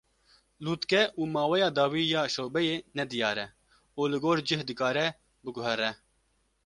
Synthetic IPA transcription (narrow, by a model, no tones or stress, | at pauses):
luːt̪kɛʔuːmɑːwɛjɑːd̪ɑːwiːjaːʃoːbɛjeːnɛd̪ɨjɑːɾɛ | oːlɨɡoːɾd͡ʒɨhd̪ɨkaːɾɛ | bɨɡʊɦɛɾɛ